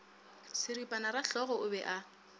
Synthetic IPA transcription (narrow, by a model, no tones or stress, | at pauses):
sɪripʼanaraɬɔɣɔʊbɛʔa